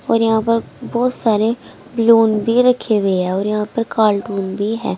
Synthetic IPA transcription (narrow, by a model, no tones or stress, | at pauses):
ɔ̰ːɾjəɦãːpəɾbɔːt̪saːɾeː | bluːnbʱiːɾəkʰːeːɡəeɦɛːɔːɾjəɦãːpəɾkaːlʈuːnbʱiːɦɛ̰ː